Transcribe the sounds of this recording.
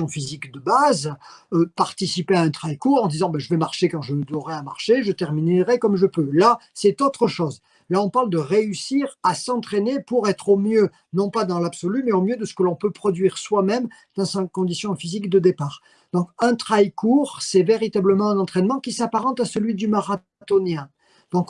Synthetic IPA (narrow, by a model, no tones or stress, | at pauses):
ɔ̃fizikd̪əbazøpaʁt̪isipeaɛ̃t̪χajkuʁɑ̃d̪izɑ̃bɛ̃ʒəvɛmaʁʃekɑ̃ʒəməd̪ɔʁɛama̰ʁʃeʒət̪ɛʁminʁɛkɔmʒəpølasɛt̪ot̪χəʃɔz | laɔ̃paʁld̪əʁeysiʁasɑ̃t̪χenepuʁɛt̪χomjø | nɔ̃pad̪ɑ̃labsɔlymɛomjød̪əsə̥kəlɔ̃pøpχɔd̪ɥiʁswamɛm | d̪̥ɑ̃sakɔ̃d̪isjɔ̃fizikd̪əd̪epaːʁ | d̪̥ɔ̃kɛ̃t̪χajkuʁsɛveʁit̪abləmɑ̃ɛ̃nɑ̃t̪χɛnmɑ̃kʲisapaʁɑ̃t̪asəlɥid̪ymaʁa | t̪onjɛ̃ | d̪̥ɔ̃k